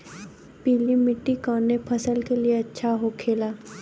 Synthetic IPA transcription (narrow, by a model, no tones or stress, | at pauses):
piːlimɪʈːikɔːnːepʰɐsəlkelieɐtːʃʰaɦokʰeːlaː